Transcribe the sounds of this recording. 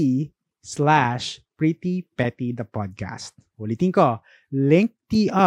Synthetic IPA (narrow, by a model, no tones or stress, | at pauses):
i | slaʃpɹit̪ipɛt̪id̪ɐpɔd̪̚ka̰st̪̚ʔʊlit̪ɪŋko | lɛŋk̚t̪iʔɐ